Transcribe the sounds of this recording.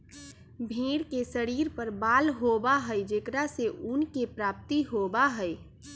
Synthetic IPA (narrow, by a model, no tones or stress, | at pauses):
bʱiːɽkesəɾiːɾpəɾbaːlɦobaɦəid͡ʒekɾaseʔunkepɾaːp̚t̪iɦobaɦəj